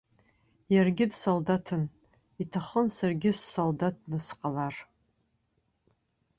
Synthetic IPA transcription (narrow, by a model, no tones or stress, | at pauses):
jarɡʲɪdsoldatʰɨn | itʰaχənsarɡʲɪsːoldat̚nɨsqʼalar